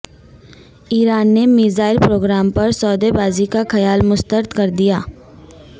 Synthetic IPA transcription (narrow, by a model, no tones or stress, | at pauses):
iːɾaːnːemiːzaːɪlpɾoːɡɾaːmpɐɾsɔːd̪ebaːzikaxɐjaːlmʊst̪əɾd̪kɐɾd̪ijaː